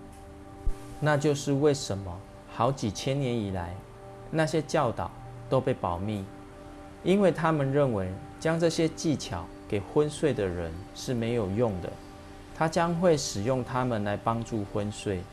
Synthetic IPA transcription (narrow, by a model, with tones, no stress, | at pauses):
na˥˧t͡ɕjo˥˧ʊʂɻ̩˥˧we˥˩ɪʂə˨˦nmə˦ | xɑ˧˦ʊt͡ɕi˨˩t͡ɕʰjɛ˦njɛ˨˦ni˨˩la˨˦ɪ | na˥˨ɕjɛ˦t͡ɕjɑ˥˨ʊt̪ɑ̰˨˩ʊ | t̪o˥ʊpe˥˩ɪpɑ˨˩ʊmi˥˨ | i˦nwe˥˨ɪt̪ʰa˦mə˨nɻə˥˨˩nwe˧˦ɪ | t͡ɕjɑ˥ŋʈ͡ʂɤ˥˨ɕjɛ˦t͡ɕi˥˨t͡ɕʰjɑ̰˨˦ʊke˨˩ɪxwə˦nswe˥˩ɪd̪ə˩ɻə̰˦nʂɻ̩˥˨me˧˥ɪjo˨˩ʊjʊ˥˨ŋd̪ə̰˨˩ | t̪ʰa˦t͡ɕjɑ˦˥ŋxwe˥˨ɪʂɻ̩˨˩jʊ˥˩ŋt̪ʰa˦mə˨nla˧˦ɪpɑ˦ŋʈ͡ʂu˥˨xwə˦nswe˥˩ɪ